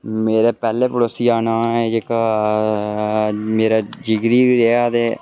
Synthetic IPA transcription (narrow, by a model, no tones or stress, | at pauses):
meːɾeːpɛːleːpəɽoːsiːaːnaːɛd͡ʒeka | meːɾaːd͡ʒɪɡɾiːʋiːɾeaːd̪eː